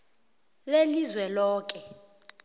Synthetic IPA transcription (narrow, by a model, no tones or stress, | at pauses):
lelizwɛlɔːk̬ʼɛ